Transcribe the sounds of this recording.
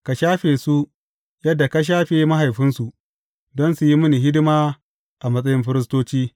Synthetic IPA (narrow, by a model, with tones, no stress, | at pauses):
ka˨ʃaː˦ɸeː˨su˦ | jɐ˦dːa˨ka˦ʃ̬aː˦ɸeː˨˦ma˦ɦa˨jɸɪ˦nsu˨ʔ | dɔ˦nsu˨ji˦mʊ˦ni˨ɦɪ˦dɪ˦maː˦ | ʔa˨mɐ˦s̬ʼɐ˦jɪ˦mɸɪ˦ɾɪ˦s̬toː˦t͡ʃiː˦